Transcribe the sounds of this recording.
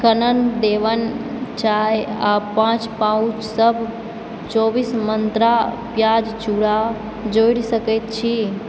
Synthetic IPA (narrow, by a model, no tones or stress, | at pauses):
kənənd̪eʋən | t͡ʃajapãt͡ʃpãũt͡ʃsəbʱ | t͡ʃobismənt̪ɾapjad͡ʒt͡ʃuɽa | d͡ʒojɽsəkɛt̪̚t͡ʃʰi